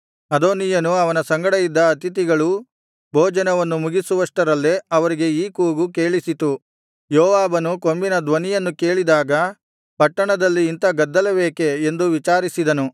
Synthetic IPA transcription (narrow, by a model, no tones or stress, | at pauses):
ɐd̪oːnijɐnuɐʋɐnɐsɐŋɡɐɽɐjid̪ːɐːt̪it̪̬iɡɐɭu | bʱoːd͡ʒɐnɐʋɐnːumuɡisuʋɐʂʈɐɾɐlːeɐʋɐɾiɡe̞iːkuːɡuke̞ːɭisit̪u | jɔːʋaːbɐnuko̞mbinɐd̪ʋɐnijɐnːuke̞ːɭid̪aːɡɐ | pɐʈːɐɳɐd̪ɐlːiːnt̪ɐɡɐd̪ːɐlɐbeːke̞ːnd̪uʋit͡ʃaːɾisid̪ɐnu